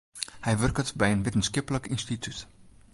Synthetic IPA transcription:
hɛjʋɵrkətbɛjənʋɪtənskɪpələkɪnstitʰyt

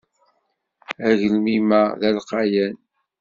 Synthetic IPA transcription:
æʝəlmimæðælqɑjæn

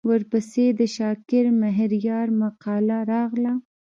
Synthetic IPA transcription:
wəɾpəsed̪əʃɑkɪɾmaɦɾjɑɾmaqɑlaɾɑɣla

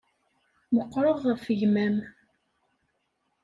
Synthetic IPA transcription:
məqːɾˤəʁːəfəʝmæm

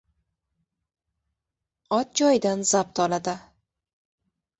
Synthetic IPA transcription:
ɒt̪̚d͡ʒɒjd̪anzap̚t̪ʰɒlad̪ɪ

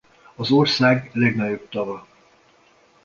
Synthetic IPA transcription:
ɒzorsaːɡlɛɡnɒɟo̞b̚t̪ɒvɒ

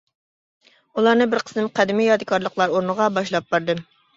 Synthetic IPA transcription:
ulˠɑɾnɨbɪɾqʰə̥sɨmqʰɛd̪ɪmijɑd̪ɨkʰɑɾlˠəqlˠɑɾoɾnəʁɑbɑʃlˠɑp̚bɑɾd̪ɨ

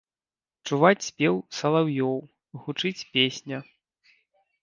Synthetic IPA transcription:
t͡ʂuvat͡sʲsʲpʲɛwsɐlˠawjɔw | ɣut͡ʂɨt͡sʲpʲesʲnʲɐ

